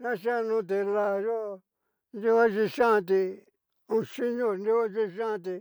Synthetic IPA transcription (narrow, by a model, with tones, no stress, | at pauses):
nã˦ʃa˦˧nũ˦t̪̬e˧la˦˧˨jo˦˧ | nd̪i˦a˦ʃi˧ʃã˦˧t̪̬i˧ | ũ˧ʃi˦ɲõ˦˧ndi˦a˦t͡ʃi˦˧ʃã˦˧t̪̬i˧